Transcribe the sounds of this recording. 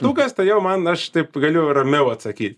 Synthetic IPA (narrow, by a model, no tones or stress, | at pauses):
t̪uːkɐst̪ɐɪjɛʊmɐnɐʃt̪ɐɪpɡɐlʲʊrɐmʲɛʊɐt̪sɐkʲiːt̪ʲ